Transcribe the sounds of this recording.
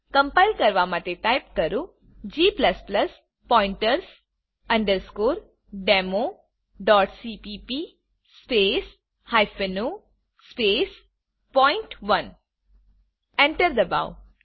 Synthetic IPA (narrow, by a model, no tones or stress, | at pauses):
kɐ̃mpaɪlkɐɾʋamat̪eʈajpkɐɾu | d͡ʒiːplɐspləs | pɔːɪ̃ɳʈəɾs | ɐ̃ɳɖəɾskoːɾ | ɖeːmo | ɖɔːʈsipipi | speːs | hajfenu | speːs | pɔːɪɳʈʋɐn | ẽɳʈəɾd̪əba̰w